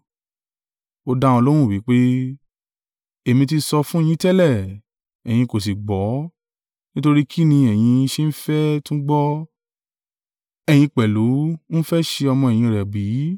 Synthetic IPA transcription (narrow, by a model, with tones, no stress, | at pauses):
o˧dã˧ɔ˧lo˦w̃ũ˦˨wi˨˦k͡pe˦ | e˨mĩ˧ti˧sɔ˧fũ˦e˦˨j̃ĩ˦tɛ˦lɛ˦˨ | ɛ˨j̃ĩ˧ko˨s̬i˨ɡ͡bɔ˨˦ | nĩ˦to˧ɾi˦kʰi˦nĩ˧ɛ˨j̃ĩ˧ʃe˦n̩˦fɛ˦tũ˦ɡ͡bɔ˦ | ɛ˨j̃ĩ˧k͡pɛ˨lu˨˦n̩˦fɛ˦ʃe˧ɔ˧mɔ̃˧ɛ˨j̃ĩ˧˨ɾɛ˨bi˨˦